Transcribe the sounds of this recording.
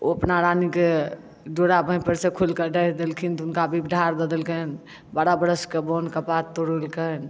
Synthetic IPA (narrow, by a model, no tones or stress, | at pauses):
oəpnaɾanike | d͡ʒoɽabə̃jpəɾsekʰulkəɖəd̪elkʰint̪unkabʱibɖʱaɾd̪əd̪əlkən | baɽabəɾəskebonkəpat̪ːoɽulkən